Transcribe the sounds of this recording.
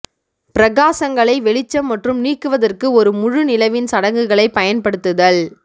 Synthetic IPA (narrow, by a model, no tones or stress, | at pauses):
pɪɾɐɣaːsɐŋɡɐɭɐɪʋɛɭɪt͡ʃːɐmːɐʈrɯmniːkːɯʋɐðɐrkɯɔɾɯmʊɻɯnɪlɐʋɪnsɐɽɐŋɡɯɣɐɭɐɪpɐjɐnpɐɽɯt̪ːɯðɐɭ